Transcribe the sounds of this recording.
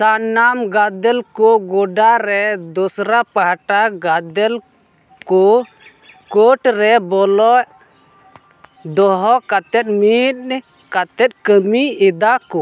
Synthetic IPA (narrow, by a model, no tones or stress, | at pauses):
sanːamɡad̪ɛlkɔɡɔɖaɾɛd̪ɔsɾapaɦʈaɡad̪ɛl | kɔ | koʈɾɛbɔlɔʔ | d̪ɔɦɔkat̪ɛt̪̚ˀmit̪̚ | kat̪ɛt̪̚ˀkəmiid̪akɔ